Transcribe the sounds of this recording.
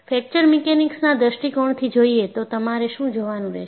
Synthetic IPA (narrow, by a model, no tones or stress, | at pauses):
fɛk̚t͡ʃəɾmikenɪksnad̪əʃʈikɔɳt̪ʰid͡ʒoiet̪ot̪əmaɾeʃũd͡ʒoʋanũɾɛ̰ʃ